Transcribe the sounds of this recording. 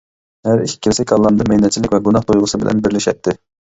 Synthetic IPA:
hæɾikʰʲːi̥kʰʲːilsɛkʰʲɑlˠːɑmd̪ɑmɛjnɛt̪̚t͡ʃʰilɪkʲvɛɡunɑχt̪ojʁʊsɨbɪlʔɛ̰nbɪɾlɪʃɛ̰t̪ʰːɪ

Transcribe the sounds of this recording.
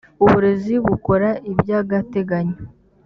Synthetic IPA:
uβuɾe̞ziβuko̞ɾaʔibjaːɡate̞ɡaɲo

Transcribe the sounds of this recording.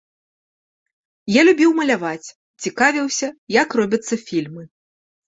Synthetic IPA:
jalʲubʲiwmɐlʲavat͡sʲ | t͡sʲikavʲiwsʲɐjakrɔbʲɐt̪sːɐfʲilʲmɨ

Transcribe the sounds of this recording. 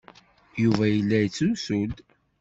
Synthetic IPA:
juvæjəlːæjt͡sːusuld̪

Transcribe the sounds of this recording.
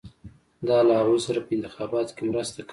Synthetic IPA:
d̪ɑlaawossaɾapəɪnt̪ɪxɑbɑt̪kemɾəst̪ak

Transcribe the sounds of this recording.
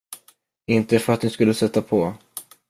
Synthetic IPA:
ɪnt̪əfœɾat̪nɪskɵlːəsɛt̪ːapʰɔ

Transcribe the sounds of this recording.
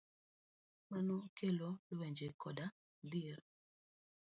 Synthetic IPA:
manokʰelolweɲd͡ʒekɔda | d̪iɾ

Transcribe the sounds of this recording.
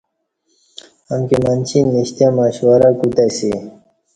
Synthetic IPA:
amkimant͡ɕʰinːiɕt̪jamaːɕwaɾakut̪asi

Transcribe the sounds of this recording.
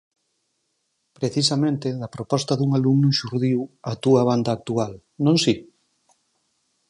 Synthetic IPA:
pɾeθisɐmẽnt̪eðɐpɾopɔst̪ɐðuŋalumnuʃuɾðiwɐt̪uɐβ̞and̪aːk̚t̪ual | nõŋsi

